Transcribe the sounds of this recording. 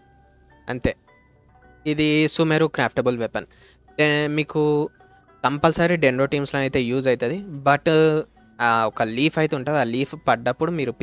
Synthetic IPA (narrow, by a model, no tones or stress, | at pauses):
ɐ̰nt̪eː | id̪isuːmeɾukɾaːpʰʈɐbulʋepɐn | emiːku | t̪ɐmpɐlsaːɾiɖenɾoːʈiːmsloːnɐjt̪e̞ːjuːd͡ʒɐjt̪ɐd̪ibɐʈ | aɔkɐliːpʰɐjt̪euɳʈaːd̪iaːliːpʰpɐɖːɐpːuɽumiːɾup